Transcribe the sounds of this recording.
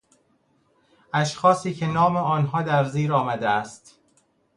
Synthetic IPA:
æʃxɒːsiːcʰe̞nɒːmeɒːnɦɒːd̪æɾziːɾɒːmæd̪eæst̪

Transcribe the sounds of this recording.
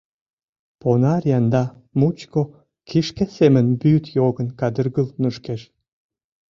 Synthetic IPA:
ponɑrjɑnd̪ɑ | mut͡ɕko | kʰiʃkesemə̆nbyt̪joɣə̆nkɑd̪ərɣəlnuʃkeʃ

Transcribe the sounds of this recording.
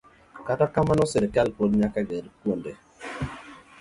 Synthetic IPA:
katakamanɔsɪɾekɛlpodɲakaɡɛdkwonde

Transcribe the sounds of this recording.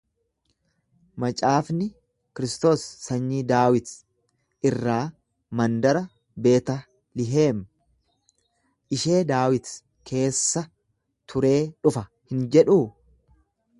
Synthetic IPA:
mɐt͡ʃʼaːfnɪ | kɪɾɪst̪o̞ːsːɐɲːiːd̪aːwɪt̪ | ʔɪrːaː | mɐnd̪ɐɾɐ | be̞ːt̪ɐ | lɪɦe̞ːm | ʔɪʃe̞ːd̪aːwɪt̪ | kʰe̞ːsːɐ | t̪ʰʊɾe̞ːᶑʊfɐ | hɪnd͡ʒɛᶑuː

